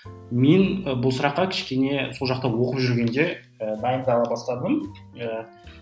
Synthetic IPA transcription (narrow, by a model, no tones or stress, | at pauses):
me̞nəbʊlˠsʊɾɑqːɑkʲʰɪ̥ʃkʲe̞ne̞so̞lˠʒɑqt̪ɑwo̞qəpʒʏɾɡʲe̞nd̪e̞ | əb̪ɑjəɴd̪əɑlˠɑbɑst̪ɑd̪əmə